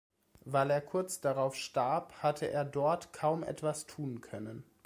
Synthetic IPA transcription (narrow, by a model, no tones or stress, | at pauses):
vaɪleːɐkʰʊɐt͡sd̥aʁaʊfʃtaɐphatʰəʔḛːɐdɔɐtkʰaʊmʔɛ̰tv̥astʰuːnkʰœnən